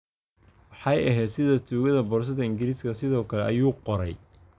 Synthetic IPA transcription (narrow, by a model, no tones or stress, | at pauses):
wɑħɑjɐɦɛːd̪sɪðɐt̪ʰuːɣɐðɐbɔrs̬ɐðɐɪŋɡɪliːskʰɐsɪðɔːkʰɐlɛʔɐjuːqɔɾɛj